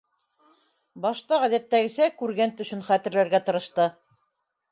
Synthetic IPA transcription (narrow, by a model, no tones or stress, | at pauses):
bɑʃt̪ɑʁæðæt̪ːæɡɘ̆sækʉɾɡænt̪ɵ̆ʃɵnχæt̪ɘ̆ɾlæɾɡæt̪ɤ̆ɾɤ̆ʃt̪ɤ